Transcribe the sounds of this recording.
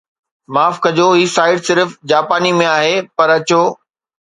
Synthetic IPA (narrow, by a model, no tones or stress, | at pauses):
maːfkɐd͡ʑoɦiːsaːɪɖsɪɾfd͡ʑaːpaːnimẽaːɦepɐɾɐt͡ɕoː